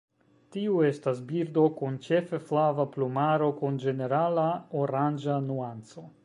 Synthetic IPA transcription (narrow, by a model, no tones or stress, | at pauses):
tiue̞stasbiɾdo̞kunt͡ʃe̞feflavaplumaɾo̞kund͡ʒe̞ne̞ɾalaoɾand͡ʒanuant͡so̞